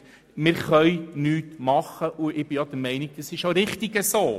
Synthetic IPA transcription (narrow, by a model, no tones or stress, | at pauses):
mɪɾχœjnyːtmɑχːəʔuɪb̥ɪjɔd̥̪əɾmɛɪniɡ̚d̥̪əsɪʃoɾɪχtiɡəsoː